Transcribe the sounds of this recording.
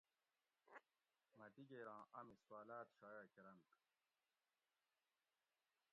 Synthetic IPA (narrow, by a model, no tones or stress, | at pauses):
mɐd̪iɡeːɾãːʔɐmiswaːlaːt̪ɕaːjaːkeɾɐnt̪